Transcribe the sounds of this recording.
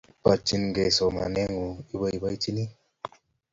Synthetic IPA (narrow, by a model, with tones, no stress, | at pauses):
pa˨t͡ʃi˧nɡe˨so˨ma̰˨nɛ˦ŋu˨i˦bə˧i˨˦bə˦t͡ʃi˦ni˦